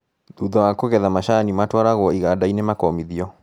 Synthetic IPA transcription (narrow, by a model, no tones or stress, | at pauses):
ðuðɔwakoɣɛðamaɕanimatwaɾaɣwɔiɣadainemakɔmiðiɔ